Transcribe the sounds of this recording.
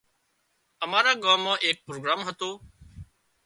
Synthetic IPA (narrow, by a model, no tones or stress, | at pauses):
əmaːɾaːɡãːmːãːʔeːk̚pɾoːɡɾaːmɦət̪oː